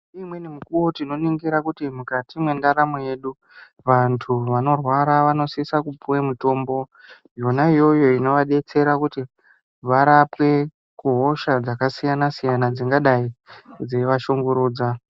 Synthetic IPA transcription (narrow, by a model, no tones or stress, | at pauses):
imwe̞nimikuwo̞tino̞niŋɡiɾakutimukatimwe̞ndaɾamoje̞ɗu | ʋantʰuʋano̞rwaɾaʋano̞sisakupuwemuto̞ːmbo̞ | jonaijo̞jo̞ino̞ʋaɗe̞t͡se̞ɾakuti | ʋaɾapwe̞ | kuɦo̞ʃad͡zakasijanasijanad͡ziŋɡaɗaid͡ze̞ʋaʃo̞ŋɡo̞ɾuːd͡za